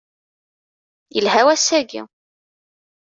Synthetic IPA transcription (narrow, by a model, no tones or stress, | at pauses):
jəlɦæwæsæɡḭ